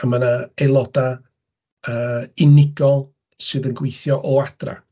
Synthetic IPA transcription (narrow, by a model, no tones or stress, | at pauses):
əmanaelˠɔda | əːɪnɪɡɔlˠ | sɨːðənɡwejθjɔʔɔad̥ra̰